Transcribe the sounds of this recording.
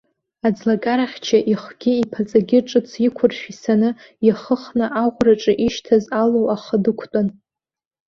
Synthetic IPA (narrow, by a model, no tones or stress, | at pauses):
ad͡zlakʼaɾaħʲt͡ʃʰaʔiχɡ̥ʲɪipʰat͡sʼaɡʲɪʈ͡ʂʼɨt͡sʰikʷʰʊrʃᶣisanɨ | jaχəχnaʔaʁʷraʈ͡ʂʼɨʔiʃtʰazalowaχədɨkʷʰtʼan